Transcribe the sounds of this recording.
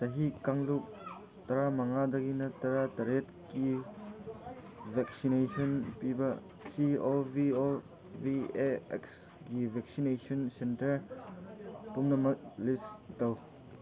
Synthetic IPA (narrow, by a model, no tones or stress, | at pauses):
tɐɦikaŋluk̚ | tɐɾamɐŋadɐɡinɐtɐɾatɐɾet̚ | ki | bʱek̚sinesɔnpibɐ | siobio | bieḛks | ɡibʱek̚sinesʰɔnsentɐɾ | pumnɐmɐk̚listɐw